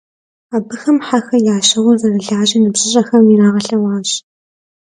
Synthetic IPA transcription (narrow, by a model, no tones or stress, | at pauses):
abɨxɐmħaxɐjaːɕɐwʊzɐrɨɮaːʑinɨbɕʼɪɕʼɐxɐmiɾaːʁɐɬɐwaːɕ